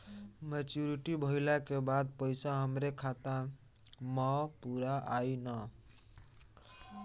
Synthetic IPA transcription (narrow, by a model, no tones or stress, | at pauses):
met͡ʃuɾiʈibʱəilakebad̪̚pəɪsaɦəmɾekʰat̪a | mɔpuɾaʔainə